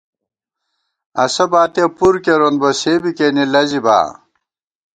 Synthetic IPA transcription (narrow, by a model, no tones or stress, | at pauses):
ɐ̰sɐbaːt̪epuɾkeɾonbɐsebikenilɐziba̰ː